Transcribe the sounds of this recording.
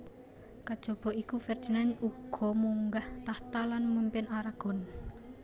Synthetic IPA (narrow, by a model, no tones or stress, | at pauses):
kad̥ʒ̥ɔ̤b̥ɔ̤ikufɛrd̪̥i̤nanuɡ̥ɔ̤muŋɡaht̪aht̪alanmumpɪnaɾaɡ̥ɔ̤n